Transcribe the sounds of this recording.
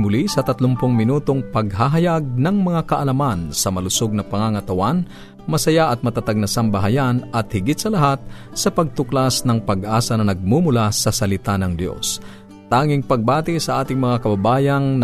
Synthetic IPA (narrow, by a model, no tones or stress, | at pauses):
mʊlisɐt̪ɐt̪lʊmpʊŋmɪnuːt̪o̞ŋpɐɡɦaɦɐjaɡ̚nɐŋmɐŋakɐʔɐlɐmansɐmɐlʊsoɡ̚nɐpɐŋaŋɐt̪ɐwan | mɐsɐjaʔɐt̪̚mɐt̪at̪aɡ̚nɐsɐmbɐɦɐjanɐt̪̚hɪɡɪt̪̚sɐlɐɦat̪̚ | sɐpɐɡ̚t̪ʊklasnɐŋpɐɡʔaːsɐnɐnɐɡ̚mumʊlasɐsɐlɪt̪anɐŋd̪jo̰s | t̪aːŋɪŋpɐɡ̚baːt̪ɪsɐʔaːt̪ɪŋmɐŋakɐbɐbaːjɐŋn